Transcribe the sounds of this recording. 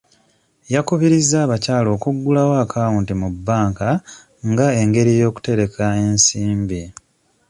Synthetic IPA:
jakuβiɾizːaːβacaːlo̞ːkuɡːulawoakʰaːwuːntimubːaːŋka | ŋɡae̞ŋɡe̞ɾijo̞ːku̥te̞ɾe̞kʰae̞nsiːmbi

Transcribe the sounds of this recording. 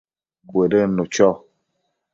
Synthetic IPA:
bwedenut͡ʃɔ

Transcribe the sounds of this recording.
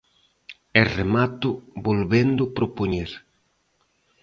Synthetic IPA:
eremat̪ʊbolβend̪ʊpɾopoɲeɾ

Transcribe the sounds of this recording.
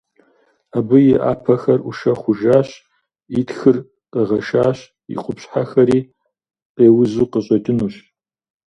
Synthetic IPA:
abɨjɪʔa̰ːpʰɐxɐruʃɐχʷʊʒaːɕ | itxɨr | qɐʁɐʃaːɕ | ḭqʷʊpɕħaxɐɾiː | qeːwʊzuːqəɕʼɐdʼɨnuːɕ

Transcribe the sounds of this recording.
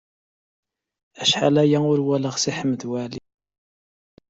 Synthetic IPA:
æʃħa̰læjæʊɾwæləʁsiħəmːd̪wæli

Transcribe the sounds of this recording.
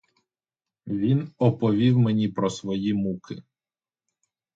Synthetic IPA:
ʋʲinɔpɔʋʲiwmenʲipɾɔsʋɔjimukɪ

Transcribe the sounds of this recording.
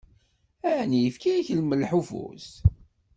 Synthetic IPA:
æʕnijəfkiiçəlməlħufṵs

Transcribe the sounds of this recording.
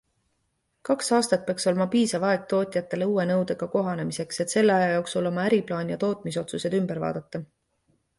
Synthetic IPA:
kɑksɑːst̪ɑt̪̚pe̞ɑkso̞lmɑpiːsɑvɑeɡ̥̚t̪o̞ːt̪ʲˑjɑt̪ːˑe̞le̞uːe̞nɤwd̪̥eɡ̥ɑko̞ɦɑne̞mise̞kse̞t̪se̞lːeɑjɑjoːksulo̞mɑæɾiplɑːnjɑt̪o̞ːt̪ˑmiso̞t̪suse̞d̪ymb̥eɾvɑ̰ːd̪̥ɑt̪ːɑ

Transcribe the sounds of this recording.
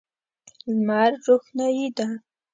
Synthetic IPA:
zmaɾɾoxnajid̪a

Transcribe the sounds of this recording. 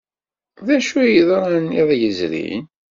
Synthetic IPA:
ðæʃujiðɾˤɑnːiðˤjəzɾḭn

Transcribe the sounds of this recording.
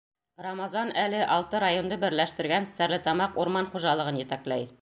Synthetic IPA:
rɑmɑzɑnælɘʔɑlˠt̪ɤɾajond̪ɤbɘ̆ɾlæʃt̪ɘ̆ɾɡænɘ̆st̪æɾlɘt̪ɑmɑquɾmɑnχuʒɑlˠɤ̆ʁɤnjɘ̆t̪æklæj

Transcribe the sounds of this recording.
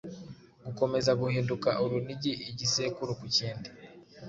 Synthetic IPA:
ɡuko̞me̞zaɡuhiːndukaʔuɾuniɟiʔiɟisekuɾukuciːndi

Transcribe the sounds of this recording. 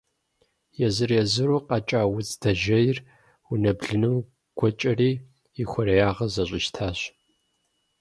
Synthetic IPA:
jɛzɨrjɛzɨɾuqɑt͡ʃʼaːwʊt͡sʼd̥ɐʒɐjɪr | ʊnɐbɮɨnɨm | ɡ̥ʷɔt͡ʃʼɐriː | ixʷɔɾɐjaːʁɐzɐɕʼɪʃtʰaːɕ

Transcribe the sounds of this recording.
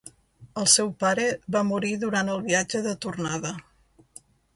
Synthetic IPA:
əlˠsɛwpaɾəβamuɾiðuɾant̪əlˠβiad͡ʒəðət̪urnaðə

